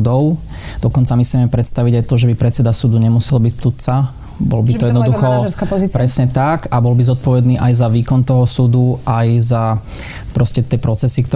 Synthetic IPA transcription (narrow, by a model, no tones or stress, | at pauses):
d̪ɔʊ | d̪̥ɔkɔnt͡samisɛmɛpɾɛt̪st̪aʋiɟajt̪ɔʒɛbipɾɛt̪t͡sɛd̪asud̪uɲɛmusɛlbicsut̪̚t͡sa | bɔ̰lbitt̪ɔjɛd̪nɔd̪uxɔskappɾɛsɲɛt̪akabɔlbizɔt̪̚pɔʋɛd̪niːʔajzaʋiːkɔnt̪ɔɦɔsud̪uʔajza | pɾɔscɛt̪ɪɛpɾɔt͡sɛsikt̪ɔ